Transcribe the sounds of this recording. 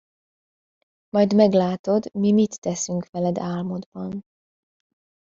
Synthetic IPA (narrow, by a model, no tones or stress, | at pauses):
mɒjd̪mɛɡlaːt̪o̞d̪mimit̪ːɛsyŋkʋɛlɛd̪aːlmo̞d̪bɒn